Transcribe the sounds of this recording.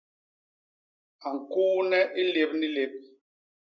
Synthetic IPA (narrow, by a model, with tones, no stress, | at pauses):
a˨ŋ̩˨kuː˦nɛ˦ʔi˦le˨˦p̚ni˦le˨˦p̚